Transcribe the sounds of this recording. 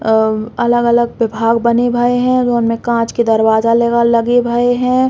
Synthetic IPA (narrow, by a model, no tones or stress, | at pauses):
ɐləɡɐləɡ̚ʋɪbʱaːɡbɐnebʱəeɦɛ̃d͡ʒoːnmẽkãːt͡ʃkid̪ɐɾwaːzaleɡalɐɡebʱəeɦɛ̃